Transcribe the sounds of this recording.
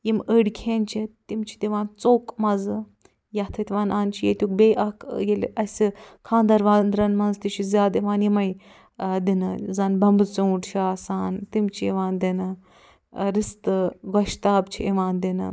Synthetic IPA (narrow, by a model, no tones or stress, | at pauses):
jiməɽkʲʰeːnt͡ʃʰit̪imt͡ʃʰi̥d̪iʋaːnt͡soːkmɐzɨ | jɐt̪ʰɐt̪ʲiʋaːnaːnt͡ʃʰijḛt̪ʲuk̚beʔɐkjel̰ʔɐsʲikʰãːnd̪ɐɾʋaːnd̪ɾɐnmɐnzt̪it͡ʃʰizʲaːd̪iʋaːnjimɐj | d̪inɨzɐnbɐmbɨt͡suwʈt͡ʃʰiaːsaːnt̪imt͡ʃʰiḭʋaːnd̪inɨ | ɾist̪ɨɡɔʃt̪aːbt͡ʃʰiiʋaːnd̪inɨ̰